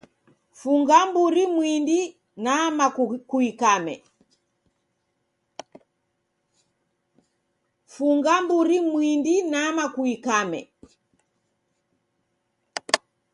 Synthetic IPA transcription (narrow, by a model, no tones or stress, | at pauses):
fuŋɡambuɾimwindi | namakuikamɛ̰ | fuŋɡambuɾimwindinamakuikamɛ̰